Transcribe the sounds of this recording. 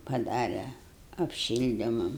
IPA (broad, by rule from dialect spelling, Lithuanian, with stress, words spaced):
pɐˈdɑːrʲɛ ɐpʲˈʃʲɪlʲdʲɪmɐm